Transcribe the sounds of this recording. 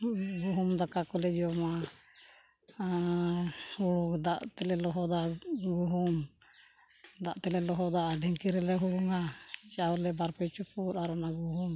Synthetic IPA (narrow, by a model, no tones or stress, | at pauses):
ɡuɦumd̪ɔkakɔlɛd͡ʒɔma | huɽud̪aʔt̪ɛlɛlɔɦɔd̪aɡuɦum | d̪aʔt̪ɛlɛlɔɦɔd̪aɖɛŋkiɾɛlɛɦuɽuŋat͡ʃawlɛbaɾpɛt͡ʃupuɾaɾɔnaɡuɦum